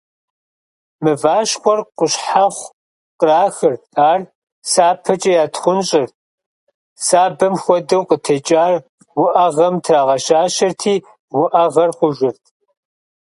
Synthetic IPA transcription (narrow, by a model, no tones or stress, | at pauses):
mɨvaːʃxʷɔrqʷʊɕħaχʷ | qəraːxɨrtʰʼaːr | saːpʰɐt͡ʃʼɐjaːtχʷʊnɕʼɪrt̚ʰʼ | saːbɐmxʷɔdɐwqətʰɐt͡ʃʼaːr | wʊʔɐʁɐmtʰraːʁɐʃaːʃɐrtʰiː | wʊʔɐʁɐrqʷʊʒʷɪrtʰ